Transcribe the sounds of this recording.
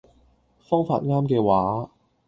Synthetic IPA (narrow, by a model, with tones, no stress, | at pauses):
fɔː˥ŋfa̰ː˧t̚ŋaː˥mkɛː˧waː˨˥